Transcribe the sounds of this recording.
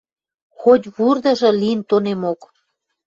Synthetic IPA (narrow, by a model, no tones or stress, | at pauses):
xot̪ʲβurd̪ə̆ʒɤ̆liənt̪onemok